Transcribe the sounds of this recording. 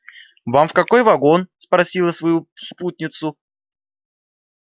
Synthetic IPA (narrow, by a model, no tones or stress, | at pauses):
vamfkɐko̞jvɐɡonspɾɐsʲilˠəsvɐjusput̪̚ʲnʲɪt̪sʊ